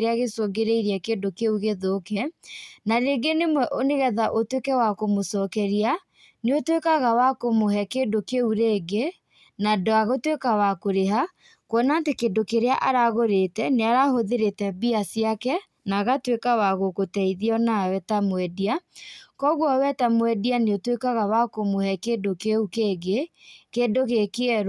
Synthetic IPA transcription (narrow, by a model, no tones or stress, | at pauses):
ɾeaɣesoɡeɾeiɾiɛkedokeuɣeðokɛnaneːɡenemwɛʔoneɣɛðaʔotwekɛwakomosɔkɛɾia | neotwekaɣawakomoɦɛkendokeuɾeːɡe | nadoaɣotwekawakoɾeɦa | kwɔnaːtekendokeɾeaʔaɾaɣoɾetɛneaɾahoðeɾetɛbiasiakɛ | naɣatwekawaɣokotɛiðiɔnawɛtamwɛdiakɔɣwɔwɛtamwɛdianeotwekaɣawakomohɛkeːdokeukeɡekedoɣekeɛɾ